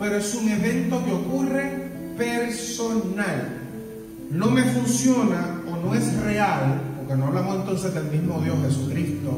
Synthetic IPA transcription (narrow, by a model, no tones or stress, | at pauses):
pe̞ɾoesuŋe̞βe̞nt̪o̞keo̞kure̞ | pe̞ɾsonal | no̞me̞funsjo̞naono̞e̞sre̞alpo̞ɾkeno̞aβlamose̞nt̪o̞nse̞zðe̞lmizmo̞ðjo̞sxe̞sukɾist̪o